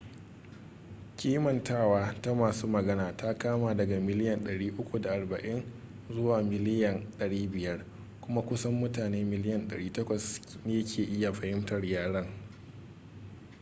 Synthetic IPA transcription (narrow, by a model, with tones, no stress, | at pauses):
kʲiː˦mɐ˨ntaː˦˨waː˦ta˦maː˨suː˦mɐ˨ɡɐ˦naː˨ta˦kaː˦maː˨dɐ˨ɡa˨mɪ˦lɪ˦jɐ˨nɗɐ˨ɽiː˦ʔʊ˦kʷu˨da˨ʔa˨rbɐ˨ʔɪ˦n | zʊ˦waː˨mɪ˦lɪ˦jɐ˨nɗɐ˨ɽiː˦bɪ˨jɐ˦r | kʷʊ˦ma˦kʷʊ˦sɐ˦mːʊ˦taː˨neː˦mɪ˨lɪ˦jɐ˨nɗɐ̰˨ɽiː˦tɐ˦kʷɐ˨sneː˦jɐ˦kʲʰeː˨ʔɪ˦ja˨ɸɐ˨hɪ˦mtɐ˨rjaː˦ɽɐ˦ŋ